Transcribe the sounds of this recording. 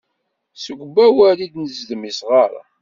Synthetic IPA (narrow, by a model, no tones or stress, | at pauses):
səɡʷbæwælid̪nəzd̪misʁaɾˤa̰